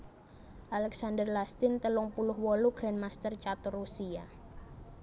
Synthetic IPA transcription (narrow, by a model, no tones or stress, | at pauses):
ʔalɛksandərlast̪ɪnt̪əlʊŋpulʊhwɔluɡ̥ɾɛnmast̪ərt͡ʃat̪ʊrusia